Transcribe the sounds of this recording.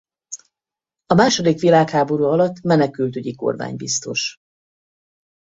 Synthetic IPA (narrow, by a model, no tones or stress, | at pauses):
ɒmaːʃo̞d̪ikʋilaːkhaːbo̞ɾuːɒlɒt̪ːmɛnɛkylt̪yɟiko̞̰rma̰ːɲbist̪o̞̰ʃ